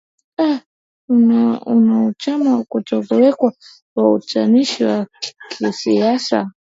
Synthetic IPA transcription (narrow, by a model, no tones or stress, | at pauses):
a | unaunaut͡ʃamaukut͡ʃɔkɔwɛkwa | waut͡ʃaniʃiwakʰisiasa̰